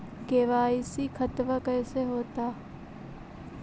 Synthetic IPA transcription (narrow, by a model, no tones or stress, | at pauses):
keːʋaːisikʰɐt̪ʋəkɐːseɦoːt̪aː